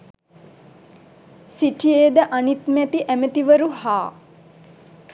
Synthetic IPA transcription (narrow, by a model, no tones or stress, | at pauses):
siʈʰieːd̪əʔanit̪mæt̪iʔæmət̪iʋəɾuhaː